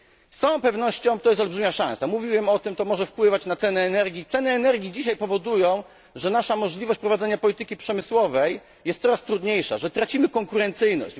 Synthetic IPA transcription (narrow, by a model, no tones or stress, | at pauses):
sɔ̃w̃pɛvnɔɕt͡ɕɔ̃w̃t̪ɔjɛs̬t̪ɔlbʐɘmʲaʂã̰samuvʲiwɛmɔt̪ɘmt̪ɔmɔʐɛfpwɘvat͡ɕnat̪sɛnɛːnɛɾɡʲit̪sɛnɛːnɛɾɡʲid͡ʑiɕajpɔvɔd̪ujɔ̃w̃ | ʐɛnaʂamɔʐlʲivɔɕt͡ɕʲpɾɔvad̪zɛɲapɔlʲit̪ɘkʲipʂɛmɘswɔvɛj | jɛst̪sɔɾast̪ɾud̪ɲejʂa̰ʐɛt̪ɾat͡ɕimɘkɔŋkuɾɛnt̪sɘjnɔ̰ɕd͡ʑ